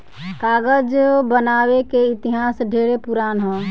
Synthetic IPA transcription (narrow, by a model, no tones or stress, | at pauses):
kaːɡəd͡ʒbənaːwekeɪt̪ɪɦaːsɖʱeːɽepuɾaːnɦɛ̃ː